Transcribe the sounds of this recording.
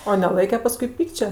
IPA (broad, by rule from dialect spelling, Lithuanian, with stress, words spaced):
oː nʲɛˈlˠɐɪkʲɛ ˈpɑːskʊɪ ˈpʲiːkt͡ʃʲɛ